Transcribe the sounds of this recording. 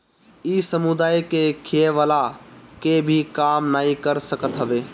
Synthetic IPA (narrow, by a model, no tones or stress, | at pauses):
isəmud̪aːjkekʰieʋalakebʱikaːmnaːikəɾsəkət̪ɦəbeː